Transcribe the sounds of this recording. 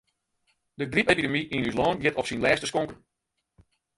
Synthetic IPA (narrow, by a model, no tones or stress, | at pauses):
dədripepidəmiʔinyslɔːnjɪtɔfsinlɛːstəskoŋkən